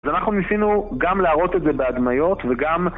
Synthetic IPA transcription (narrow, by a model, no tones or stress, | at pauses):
azanaχnunisinuɡamleaʁo̞t̪etze̞be̞ad̪majo̞t̪ve̞ɡam